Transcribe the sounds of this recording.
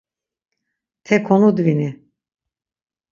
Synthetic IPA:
t̪ʰɛkʰɔnud̪vini

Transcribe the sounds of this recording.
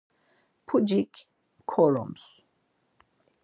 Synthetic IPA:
pʰud͡ʒik | kʰːɔlɔ̰̃ms

